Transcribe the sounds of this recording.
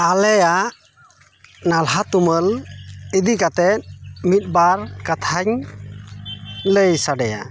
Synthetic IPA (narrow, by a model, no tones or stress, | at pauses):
alɛjaʔ | nalɦat̪uməlid̪ikat̪ɛt̪̚mit̪̚baɾkat̪ʰaɲ | ləjsaɖɛja̰